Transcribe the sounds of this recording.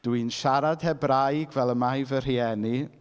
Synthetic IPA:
d̥wɨnʃaɾad̥hɛbɾajɡvɛlˠəmajvər̥iɛni

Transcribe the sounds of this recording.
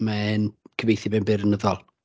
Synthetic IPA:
mankʰəvejθibɛnbɪɾənəðɔlˠ

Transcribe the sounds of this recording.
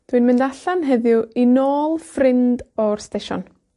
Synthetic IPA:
d̥wiɨnmɪndaɬanɦɛðjʊinoːlˠfrɪndɔrsteʃɔ̰n

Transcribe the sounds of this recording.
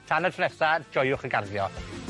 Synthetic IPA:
tʰanatʰnɛsad͡ʒɔjʊχəɡarðjɔ

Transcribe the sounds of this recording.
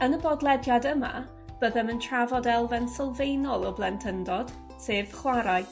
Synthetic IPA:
ənəbɔdlˠɛdjadəma̰ | b̥əðɛməntʰravɔdɛlˠvɛnsəlˠvejnɔlˠɔblˠɛntʰəndɔd̥ | seːv̥χwaɾaj

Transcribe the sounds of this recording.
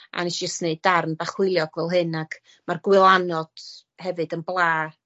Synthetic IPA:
ʔa̰nɛsd͡ʒəstneɨdːarnbaχwɪɨlˠjɔɡvɛlˠɦɨnaɡ | marɡwɪlˠanɔd̥ | hɛvɨdənblˠaː

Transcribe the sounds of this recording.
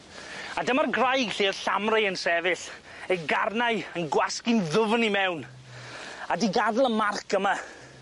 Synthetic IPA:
adəmarɡrajɡɬiːð̥ɬamrajənsɛvɨɬ | ɛɡarnaɨənɡwaskɪnðʊvnimɛwn | adiɡaðlˠəmarkʰəma

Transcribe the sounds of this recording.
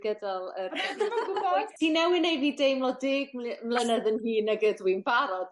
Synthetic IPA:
ɡədalˠər | tʰiːnɛwɪnejviːdejmlˠɔdɪːɡmmlˠənɛðənhiːnaɡəðwɪnbaɾɔd̥

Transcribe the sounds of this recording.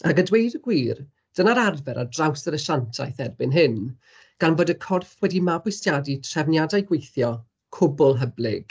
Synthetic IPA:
aɡədwejdəɡwiːr | d̥ənaɾarvɛɾa̰drawsəɾəʃantʰa̰jθɛrbɪnɦɨn | ɡ̥anvoːdəkʰɔrθwɛdimabwɪsjaditʰr̥ɛvnjadajɡwejθjɔ | kʰʊbʊlˠɦəblˠɪ̰ɡ̥

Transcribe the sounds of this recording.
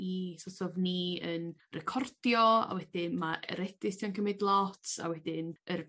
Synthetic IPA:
isɔsɔvniənrɛkʰɔrd̥jɔa̰wɛdɪnmaɛ̰ɾɛdɪstʰiɔnkʰəmɪdlˠɔtʰa̰wɛdɪnər

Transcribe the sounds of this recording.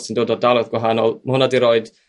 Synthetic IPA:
sindoːdɔdalˠɔðɡwaɦanɔlˠmahʊnadiɾoːɨd̥

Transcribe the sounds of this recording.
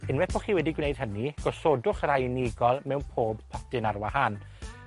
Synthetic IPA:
ɪnwɛθb̥ʰɔχiːwɛdiɡwnejd̥ɦəniɡ̥ɔsoːdʊχrajniɡɔlˠmɛwnpʰoːbpʰɔtɨnarwahan

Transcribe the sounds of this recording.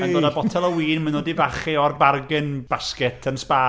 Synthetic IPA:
anɡɔdabɔtʰɛlˠəwiːnmənɔdivaχiɔrbarɡɪnb̥askɛtʰənspa

